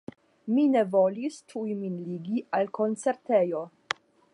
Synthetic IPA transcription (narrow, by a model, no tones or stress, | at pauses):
mine̞vo̞listʰujminliɡiʔalkʰo̞nt͡se̞ɾtejo̞